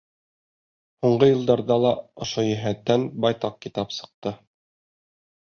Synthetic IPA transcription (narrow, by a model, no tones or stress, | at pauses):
huɴɢɤjɤ̆lˠd̪ɑɾðɑlˠɑŏʃojæɦæt̪ːænbɑjt̪ɑq̚kit̪ɑpsɤ̥̆q̚t̪ɤ